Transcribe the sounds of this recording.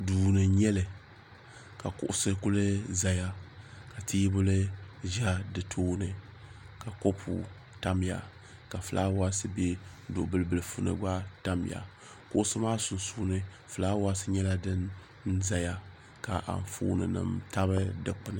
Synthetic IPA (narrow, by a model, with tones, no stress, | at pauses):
duː˨nɨ˨ɲɛ˦lɨ˨ | ka˨kʊ̰˦˨ʔʊ˦sɨ˦kʊ˦lɨ˦za˨ja˦ka˨tʰiː˦bʊ˦lɨ˦ʒa˦dɨ˨tʰoː˦nɨ˨ | ka˨ko˦pʰṵ˨ | ta˦m˦ja̰˨ | ka˨fɨ˨lʔa̰ː˦wa˦sɨ˦be˦ | dʊ˨bɨ˨lɨ˨bɨ˨lɨ˨fu˨nɨ̰˨ɡ͡ba˦ta˦m˨ja̰˨ | kʊ˦ʔʊ˦sɨ˦maː˦sʊ˨nsuː˦nɨ˨ | fɨ˨laː˦wa˦sɨ˦ɲɛ˦la˦dɨ˦n | n˦za˨ja˦ | ka̰˨ʔa̰˨ɱ˨fṵː˦nɨ̰˨nɨ̰˨mta˦bɨ˦dɨ˨k͡pɨ˨nɨ˦˨